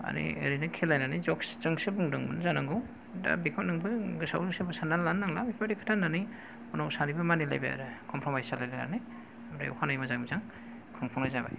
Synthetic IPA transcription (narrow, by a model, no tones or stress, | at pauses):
a̰nḭḛɾinɯkʰelajnanijzɔkszɯŋsɯbuŋdɯŋbɯnzanaŋɡɯw | da̰bikʰɔnɯŋbɯɡɯsa̰wlɯsɯbɯsanalːanːaŋlabikʰaɾikʰɯ̥tʰanːanij | ɔnawsanibɯmanila̰jba̰ja̰ɾɯkʰɔmpʰɾɔmajsalajlajna̰nij | amda̰jɔ̰kʰanajmazaŋbizaŋ | kʰɔŋpʰɔŋlajzaba̰j